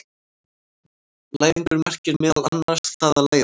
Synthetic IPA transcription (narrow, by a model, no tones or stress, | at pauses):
laːjnp̪ʏɾmar̥cɪnmɪːðalanːḁst̪θaðalaːj